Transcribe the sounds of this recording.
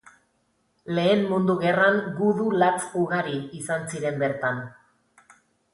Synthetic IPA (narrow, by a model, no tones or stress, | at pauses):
le̞ːmmund̪uɣe̞raŋɡuðulat͡suɣaɾiisansiɾe̞mbe̞ɾt̪an